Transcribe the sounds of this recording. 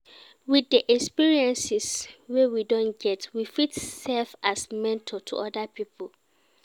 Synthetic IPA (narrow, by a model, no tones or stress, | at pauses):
wiθːəʔɛkspiɹiɛ̃nsɪswɛwidɔ̃nɡɛtwifitsɛlfasmɛ̃ntʰɔtʰṵʔɔdapʰipʰol